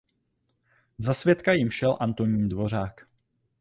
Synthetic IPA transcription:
zasvjɛt̪kajɪmʃɛlʔant̪o̞ɲiːndvo̞r̝aːk

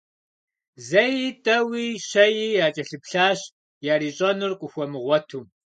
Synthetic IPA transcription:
zɐjiːtʼɐwiːɕɐjijaːt͡ʃʼɐɬɨpɬaːɕ | jaːɾiːɕʼɐnʊrqʷʼʊxʷɔmɨʁʷɔtʰuː

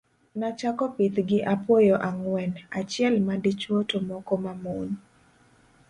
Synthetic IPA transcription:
nat͡ʃakɔpit̪ɡɪʔapwojoʔaŋwɛnat͡ʃɪɛlmadit͡ʃwotomɔkomamuɲ

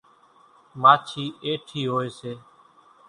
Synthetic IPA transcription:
maːt͡ʃʰiːeːʈʰiːɦoːeːseː

